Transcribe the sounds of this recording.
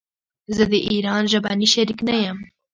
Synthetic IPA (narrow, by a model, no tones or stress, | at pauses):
zɨd̪eʔiːɾɑːnʒɐbaniːʃɛɾiknɛjɛm